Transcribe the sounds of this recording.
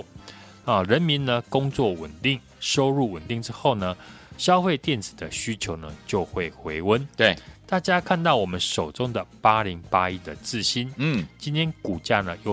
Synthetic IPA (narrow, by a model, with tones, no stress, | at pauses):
ə˨ɻə˨˦nmi˨˦nnə˧kʊ˦ŋt͡swɔ˥˨wə̰˨˩nt̪i˥˨ŋ | ʂo˥ʊɻu˥˩wə˨˩nt̪i˥˨ŋʈ͡ʂɻ̩˥xo˥˩ʊnə˨ɕjɑ˥ʊfe˥˧ɪt̪jɛ˥˨nt͡sɹ̩˨˩d̪ə˦ɕy˦t͡ɕʰjo˨˧˦ʊnə˨t͡ɕjo˥˧ʊxwe˥˩ɪxwe˧˥ɪwə˦nt̪we˨˩t̪a˥˨t͡ɕja˦˥kʰa˥˧nt̪ɑ˥˩ʊwɔ˨˩mə˦nʂo˨˩ʊt͡sʊ˦˥ŋd̪ə˨pa˥li˨˦ŋpa˦˥i˥d̪ə˨t͡sɹ̩˥˨ɕi˦nt͡ɕi˥nt̪ʰjɛ˥nku˨˩t͡ɕja˥˧nə˨jo˥˨